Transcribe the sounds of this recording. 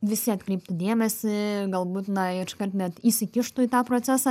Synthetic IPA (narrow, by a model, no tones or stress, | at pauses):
ʋʲɪsʲɪɐt̪ʲkɾʲɛːp̚t̪ʊd̪ʲeɛmʲɛsʲɪɡɐlˠbuːt̪nɐʃkɐrt̪nʲɛt̪iːsʲɪkʲɪʃt̪ʊiːt̪ɑːpɾoːt͡ssʲæsɑ